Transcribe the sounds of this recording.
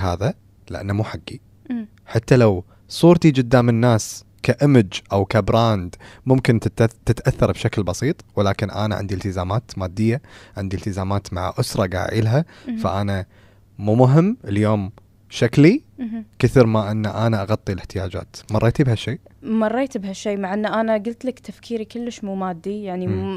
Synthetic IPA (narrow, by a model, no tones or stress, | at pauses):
ɦaːða | lɪʔa̰nːamuːħaɡːi | ħat̪ːalaw | sˤuːɾt̪id͡ʒɪd̪ːaːmɪnːaːs | kaʔɪmɪd͡ʒʔawkabɾaːnd̪mʊmkɪnt̪ɪt̪ʔaθːɑɾˤbʃaklbɑsˤiːt̪ˤwɪlaːkɪnʔa̰ːna̰ʕɪ̰nd̪iɪlt̪ɪzaːmaːt̪maːd̪ːɪjːaʕɪ̰nd̪ilt̪ɪzaːmaːt̪ma̰ʕʔʊsɾˤɑɡa̰ːʕɪ̰ːlɦafa̰ʔanaː | uːmʊɦɪmːʔɪljoːm | ʃaklikɪθiɾmaʔɪnːaʔaːnaʔaɣɑt̪ˤːilɪħt̪ɪjaːd͡ʒa̰ːt̪mɑrˤːeːt̪ibhaʃːeːʔmɑrˤːeːt̪bhaʃːeːmaʕʔɪnːʔanaɡʊlt̪lakt̪afkʰiːɾikʊlːəʃmuːmaːd̪ːijaʕni